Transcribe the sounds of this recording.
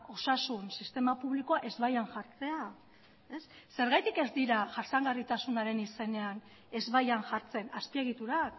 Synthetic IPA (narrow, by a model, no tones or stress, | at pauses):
o̞sasunsist̪e̞mapuβliko̞aʔe̞zβajaŋʝaɾt͡se̞a | e̞sːe̞ɾɣajt̪ike̞zd̪iɾaʝaɾt͡saŋɡarit̪asunaɾe̞nise̞ne̞an | e̞zβajanʝaɾt͡se̞naspie̞ɣ̞it̪uɾak